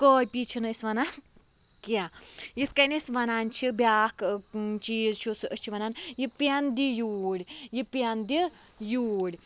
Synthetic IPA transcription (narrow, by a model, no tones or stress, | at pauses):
koːjʲpit͡ʃʰinɐisʋɐna | kʲia | jit̪ʰkɐnʲisʋɐnaːnt͡ʃʰibjaːkt͡ʃiːɾt͡ʃʰusɨʔəst͡ʃʰiʋɐnaːnjipʲɐnd̪ijuːɽʲjipiɐnd̪i | juːɽʲ